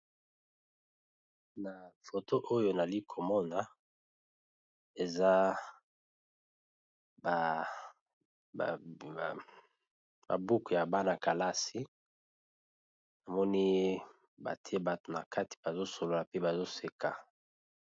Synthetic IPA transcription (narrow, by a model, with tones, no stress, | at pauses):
na˨fo˨to˦ʔo˦jo˨na˨li˦kʰo˨mɔ˦na˨ | e˨za˦ | b | ba̰˨bu˦ku˨ja˨ba˦na˨ka˨la˦si˦ | na˨mɔ˦ni˦ | ba̰˨ti˦e˦ba˨to˨na˨ka˦ti̥˨ba˨zo˦so˨lo˦la˨pe˦ba˨zo˦se˨ka˨